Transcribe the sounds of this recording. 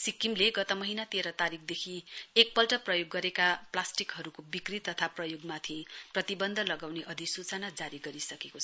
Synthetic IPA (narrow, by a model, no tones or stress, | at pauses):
sikimleɡʌt̪ʌmʌɦinat̪eɾʌt̪aɾik̚ʰd̪ekʰiek̚pʌlʈʌprʌjoɡːʌɾekaplasʈikɦʌɾukobikrit̪ːʌt̪ʰaprʌjoɡmat̪ʰiprʌt̪ibʌnd̪ʱʌlʌɡawneʔʌd̪ʱisut͡sʌnad͡zaɾiɡʌɾisʌkekot͡sʰ